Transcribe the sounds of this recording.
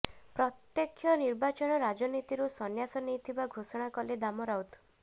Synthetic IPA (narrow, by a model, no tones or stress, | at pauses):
pɾɔt̪jɔkʰːjɔniɾbat͡ʃɔɽ̃ɔɾad͡ʒɔnit̪iɾusɔnjasɔnejt̪ʰibaɡʱosɔɽ̃akɔled̪amɔɾawt̪